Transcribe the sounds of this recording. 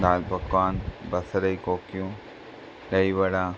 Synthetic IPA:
d̪aːlbɐkʋaːnbɐsɐɾɐjkoːkjũ | lɐjʋɐɽaː

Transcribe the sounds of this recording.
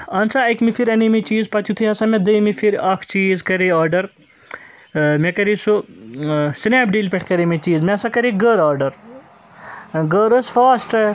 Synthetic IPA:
ɐnt͡saɐkmifʰiɾʲɐnimit͡ʃiːzpɐt̪ʰjut̪ʰiɐsɐmed̪ɐjmifʰiɾɐkʰt͡ʃiːzkɐɾeaːɾɖɐɾ | mekɐɾiso | snaːpɖiːlpʲeʈʰkɐɾemʲet͡ʃiːzmesɐkɐɾiɡəɾaːɾɖɐɾ | ɡəɾɐsfaːsʈɐ

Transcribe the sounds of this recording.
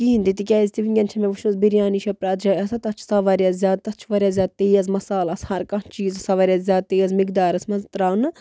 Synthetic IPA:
kiːnd̪it̪ikʲaizʲt̪iʋiŋɡʲɐnt͡ʃʰɐmeʋuʃuzbiɾjaːniʃɐpɾaːt̪d͡ʒɐɐsɐt̪ɐt͡ʃʰsɐʋɐɾjaɐzʲaːd̪̚t̪ɐt͡ʃʰʋɐɾʲjɐzʲjaːd̪̚t̪eːjɐzmɐsaːlɐshɐɾkɐt͡ʃiːzɐsɐʋɐɾʲjazzʲaːd̪̚t̪ejɐzmikd̪aːɾɐsmɐzt̪ɾaːnɨ

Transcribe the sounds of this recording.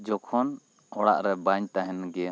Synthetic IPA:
d͡ʒɔkʰɔn | ɔɽa̰ʔɾɛbaɲt̪aɦɛnɡɛa

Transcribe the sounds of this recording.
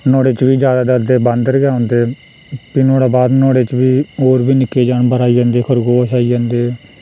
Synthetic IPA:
nɔːɽeːt͡ʃʋiːd͡ʒjaːd̪aːd̪əɾd̪eːbə̃nd̪əɾɡjaːõːnd̪eː | piːnoːɽaːbaːd̪nɔːɽeːt͡ʃʋiːoːɾbiːnɪkːeːd͡ʒaːɳbəɾaːiːd͡ʒãːnd̪eːkʰəɾɡoːʃaːiːd͡ʒãːnd̪eː

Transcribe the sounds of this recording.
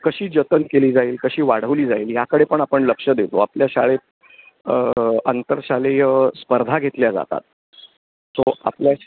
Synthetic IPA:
kəɕiːd͡ʑət̪ənkeliːd͡zaiːlkəɕiːʋaɽ̤əʋliːd͡zaiːljakəɽepəɳapəɳləkʂəd̪et̪oapljaɕaɭet̪̚ | əənt̪əɾɕalejəspəɾd̪ʱaɡʱet̪ljad͡za̰t̪a̰t̪̚ | soa̰plja

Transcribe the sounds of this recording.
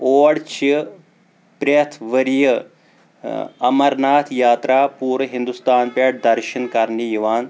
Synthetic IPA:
oːɽt͡ʃʰi | pɾet̪ʰʋəɾijə | ɐmɐɾnaːt̪ʰjaːt̪ɾaːpuːɾʋɐɦind̪ust̪aːnpeʈ̚d̪ɐɾʃɐnkɐɾnijiʋaːn

